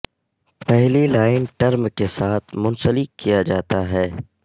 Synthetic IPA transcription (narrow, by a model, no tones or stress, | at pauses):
pɛɦlilaːɪnʈɐɾmkesaːt̪ʰmʊ̃nsəlɪkːijad͡ʒaːt̪aɦɛː